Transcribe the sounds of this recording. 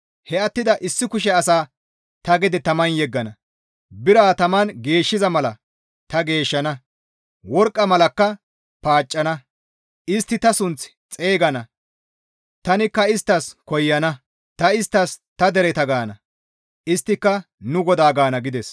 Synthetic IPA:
hɛɐt̪ːɪd̪ɐʔɪsːɪkʊʃ̬ɛɐsaː | t̪ɐɡɛd̪ɛt̪ɐmɐnjɛɡːɐnɐ | bɪɾaːt̪ɐmɐnɡe̞ːʃːɪzɐmɐlɐ̰ | t̪ɐɡe̞ːʃːɐnɐ | wɔɾkʼːɐmɐlɐkːɐ | paːt͡ʃʼːɐnɐ | ɪst̪ːɪt̪ɐsʊnt͡s | t͡sʼe̞ːɡɐnɐ | t̪ɐnɪkːɐɪst̪ːɐskɔjːɐnɐ | t̪ɐɪst̪ːɐst̪ɐd̪ɛɾɛt̪ɐɡaːnɐ | ʔɪst̪ːɪkːɐ | nʊɡɔd̪aːɡaːnɐɡɪd̪ɛs

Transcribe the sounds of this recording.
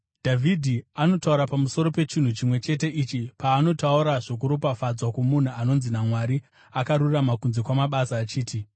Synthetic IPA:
dʱavʱidʱiano̞tauɾapamuso̞ɾo̞pe̞t͡ʃin̤ut͡ʃimwe̞t͡ʃe̞te̞ʔit͡ʃipaːno̞tauɾaʐok̬uɾopafad͡zwakomun̤uano̞nzinamwaɾi | akaɾuramakunze̞kwamaɓasaːt͡ʃiːti

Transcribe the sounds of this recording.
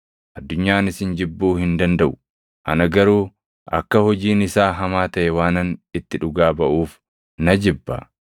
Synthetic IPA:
ʔɐd̪ːʊɲːaːnɪsɪnd͡ʒɪbːuːhɪnd̪ɐnd̪ɐʔʊ̥ | ʔɐ̰nɐɡɐɾuː | ʔɐ̰kːɐhɔd͡ʒiːnɪsaːɦɐmaːt̪ɐʔɛwaːnɐnɪt̪ːɪᶑʊɡaːbɐʔuːf | nɐd͡ʒɪbːɐ̰

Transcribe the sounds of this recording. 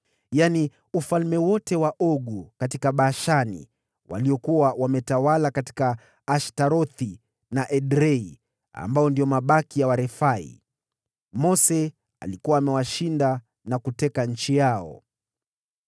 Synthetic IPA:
jani | ufalmɛwɔtɛwaʔɔɠukatikaɓaːʃanḭ | wa̰liɔkuwawamɛtawalakati̥kaː | ʃtaɾɔθi | naʔɛɗɾɛi | a̰mbaɔndiɔmaɓakijawaɾɛfaḭ | mɔsɛ | a̰likuwaːmɛwaʃinda | nakutɛkaɲ̩t͡ʃijaɔ̰

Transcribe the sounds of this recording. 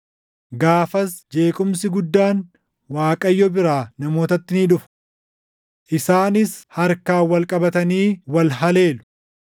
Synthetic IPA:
ɡaːfɐsd͡ʒe̞ːkʼʊmsɪɡʊd̪ːaːn | waːkʼɐjːɔbɪɾaːnɐmo̞ːt̪ɐt̪ːɪniᶑʊf | ʔɪsaːnɪshɐɾkaːwɐlkʼɐbɐt̪ɐniːwɐlɦɐle̞ːlʊ̥

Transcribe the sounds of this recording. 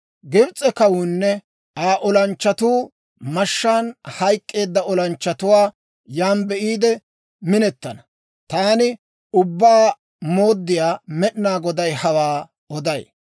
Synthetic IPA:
ɡɪbt͡sʼːɛkɐwuːnːɛ | aːʔɔlɐnt͡ʃːɐt̪uː | mɐʃːaːnhɐjkʼːe̞ːd̪ːɐɔlɐnt͡ʃːɐt̪ʊwaː | jaːnbɛʔiːd̪ɛ | mɪnɛt̪ːɐnɐ | t̪aːnɪ | ʊbːaː | mo̞ːd̪ːɪjaːmɛɗɪnaːɡɔd̪ɐjhɐwaː | ɔd̪ɐj

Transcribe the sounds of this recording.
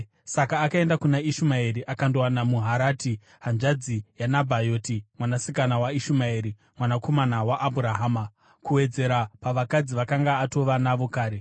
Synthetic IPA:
sakaːkae̞ndakunaiʃumaeɾiʔakandowanamuɦaɾaːti | ɦand͡ʒad͡zijanabʱajoːtimwanasikanawaiʃumaeɾi | mwanako̞manawaʔːbʱuɾaɦaːma | kuwe̞d͡ze̞ɾapaʋakad͡ziʋakaŋɡaːto̞ʋanaʋo̞kaːɾe̞

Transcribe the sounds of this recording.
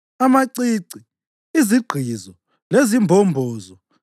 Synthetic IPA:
amaǀiǀi | iziɡ͡ǃʱizɔ | lezimbʱɔmbʱɔːzɔ

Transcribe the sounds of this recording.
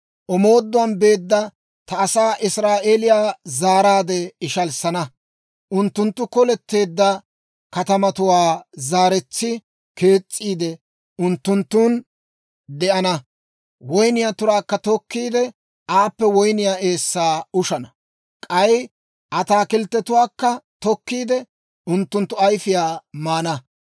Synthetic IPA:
ʔɔmo̞ːd̪ːʊwɐnbe̞ːd̪ːɐ | t̪ɐːsaːʔɪsɾaːʔe̞ːlɪjaːzaːɾaːd̪ɛɪʃɐlsɐnɐ | ʔʊnt̪ːʊnt̪ːʊkɔlɛt̪ːe̞ːd̪ːɐ | kɐt̪ɐmɐt̪ʊwaːzaːɾɛt͡sːɪ | ke̞ːt͡sʼːiːd̪ɛ | ʊnt̪ːʊnt̪ːuːn | d̪ɛʔɐnɐ | wɔjnɪjaːt̪ʊɾaːkːɐt̪ɔkːiːd̪ɛ | aːpːɛwɔjnɪjaːe̞ːsːaːʊʃɐnɐ | kʼɐj | ʔɐt̪aːkɪlt̪ːɛt̪ʊwaːkːɐt̪ɔkːiːd̪ɛ | ʊnt̪ːʊnt̪ːʊɐjfɪjaːmaːnɐ

